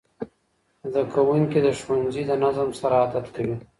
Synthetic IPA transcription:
d̪əkawuŋkid̪əʃwanzid̪ənazəmsaɾaːd̪at̪kawi

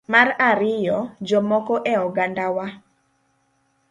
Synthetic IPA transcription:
maɾaɾɪjɔd͡ʒɔmɔkɔʔɛɔɡandawa

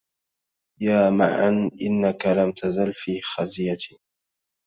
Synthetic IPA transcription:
jaːma̰ʕa̰nʔɪnːakalamt̪ʰazalfiːxazɪjat̪ɪ

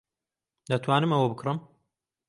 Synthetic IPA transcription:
d̪ɐt̪ʰwaːnɨmɐwɐbɨkʰrɨm

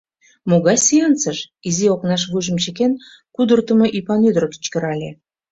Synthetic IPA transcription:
moɣɑjsʲiɑnt͡səʃ | izioknɑʃβuʒə̆mt͡ɕĕken | kud̪ərt̪ə̆mɤʔipɑnyd̪roki̥t͡ɕkə̆ɾɑlʲe

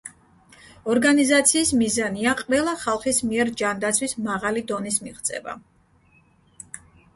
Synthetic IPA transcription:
ɔɾɡanizat̪sʰiːsmizaniaqʼvɛlˠaχalˠχismiɛɾd͡ʒand̪at̪sʰwismaʁalid̪ɔnismiʁt̪sʼɛ̰ba̰

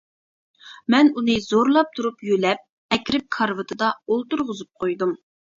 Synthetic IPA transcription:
mɛnunɨzoɾlˠɑp̚t̪ʰuɾupjølɛp̚ | ɛkʲɾɪp̚kʰɑɾvɨt̪ʰɨd̪ɑolˠt̪uɾʁʊzup̚qʰojd̪um

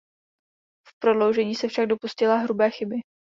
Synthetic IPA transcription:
fpɾo̞dlo̞wʒɛɲiːsɛfʃaɡ̚do̞puscɪlaɦɾubɛːxɪbɪ

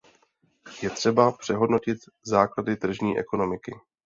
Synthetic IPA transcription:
jɛt̪r̝̥ɛbapr̝̥ɛɦo̞dno̞cɪt̪ | zaːkladɪt̪r̩ʒɲiːʔɛ̰ko̞no̞mɪkɪ̰

